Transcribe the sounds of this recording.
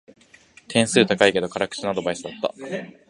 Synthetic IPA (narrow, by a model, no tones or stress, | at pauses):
t̪ʰẽ̞ɰ̃sɨːt̪akaike̞d̪o̞kaɾakɯ̟̥t͡ɕinad̪o̞baisɨd̪at̪ːa̰